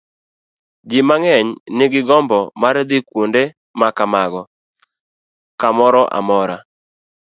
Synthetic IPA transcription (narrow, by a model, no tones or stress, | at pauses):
d͡ʒimaŋɛɲnɪɡɪɡɔmbɔmaɾd̪ɪkwonde | makamaɡɔ | kamɔɾɔʔa̰mɔɾa